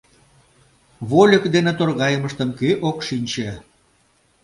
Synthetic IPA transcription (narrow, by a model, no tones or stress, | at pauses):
βolʲəkd̪enet̪orɣɑjəməʃt̪əmkøʔokʃinʲt͡ɕe